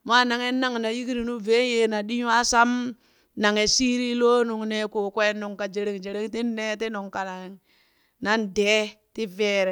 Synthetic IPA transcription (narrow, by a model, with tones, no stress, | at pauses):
ma˦na˨ŋe˦nːa˦ŋna˨ji˦ki˦ɾi˨nu˦ve˦je˨na˨ɗi˦ɲu˦a˦sa˦m | na˨ŋe˨si˦ɾi˦lo˦nu˨ŋne˨ku˨kʷe˦nu˨ŋka˨d͡ʒe˨ɾe˨ŋd͡ʒe˨ɾe˦ŋti˦nːe˦ti˦nu˨ŋka˨na˨ŋ | na˦nde˦ti˦ve˦ɾe˨